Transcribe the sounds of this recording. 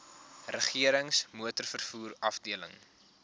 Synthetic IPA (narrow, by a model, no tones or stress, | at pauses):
rəχiəɾəŋsmuətərfərfuːrɐfdiələ̰ŋ